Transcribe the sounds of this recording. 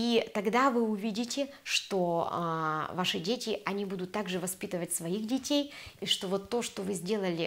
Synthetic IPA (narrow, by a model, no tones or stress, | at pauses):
it̪ɐɡd̪avɨʊvʲidʲɪtʲɪ | ʂt̪o | vaʂɨdʲetʲɪʔɐnʲibud̪ʊt̪ːaɡʐɨvɐspʲit̪ɨvətʲsvɐixdʲɪtʲejiʂt̪o̞vo̞t̪ːo̞ʂt̪o̞vɨzʲdʲe̞lˠəlʲɪ